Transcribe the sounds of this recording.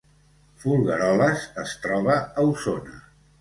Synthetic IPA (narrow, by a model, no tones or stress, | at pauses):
fulˠɣəɾɔləzəst̪ɾɔβəːusonə